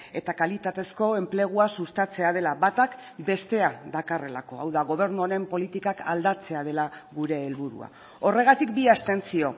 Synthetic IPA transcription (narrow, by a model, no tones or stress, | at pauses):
e̞t̪akalit̪at̪e̞sko̞e̞mple̞ɣ̞uasust̪at͡se̞að̞e̞laβat̪akbe̞st̪e̞ad̪akare̞lako̞awðaɣ̞o̞β̞e̞ɾnuoɾe̞mpo̞lit̪ikakʰald̪at͡se̞að̞e̞laɣuɾe̞ːlβuɾṵa̰ | o̞re̞ɣ̞at̪ikbiast̪e̞nt͡sio̞